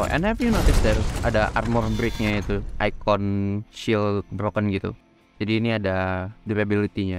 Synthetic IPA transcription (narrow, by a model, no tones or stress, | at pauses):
ʔɛ̰nhɛvjunot̪ɪsd̪ɛra̰daʔa̰rmɔrbɾɪk̚ɲait̪uʔajkɔnʃɪlbɾokənɡit̪ṵ | d͡ʒadiːniadaduɾabilit̪iɲa